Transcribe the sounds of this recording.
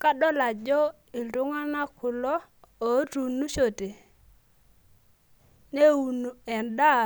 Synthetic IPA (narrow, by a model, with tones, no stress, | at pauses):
ka˦ɗɔ˦la˨d͡ʒɔ˦ | ɪ˨ldʊ˦ŋa˦na˦kʰʊ˨lɔ˦o˨˦tu˨nu˦ʃo˨te˨ | ne˦u˨nu˨ɛ˨nda˦˨